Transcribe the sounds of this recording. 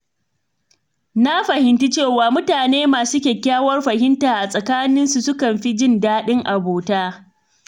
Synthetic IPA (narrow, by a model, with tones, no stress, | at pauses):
na˦ɸɐ˨hɪ˨nti˦t͡ʃeː˦˨waː˨mʊ˦taː˨neː˦maː˨su˦kʲeː˨kʲaː˦wɐ˦rɸɐ˨ɦɪ˦ntaː˨ʔa˨sʼɐ˨kaː˦nɪ˦nsu˨sʊ˦kɐ˨mɸi˦d͡ʒɪ˦ndaː˦ɗɪ˦ŋʔa˨boː˨taː˦